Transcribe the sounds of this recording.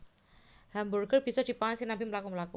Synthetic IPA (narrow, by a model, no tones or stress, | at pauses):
hamburɡərb̥isad̥i̤paansinabiməlakuməlaku